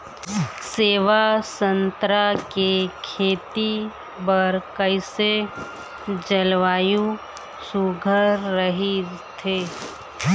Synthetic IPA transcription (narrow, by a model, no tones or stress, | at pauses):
seːʋasə̃nt̪ɾakekʰeːt̪i | bɐɾkəɪse | d͡ʒəlʋaːju | suɡʱəɾɾːəɦit̪ʰeː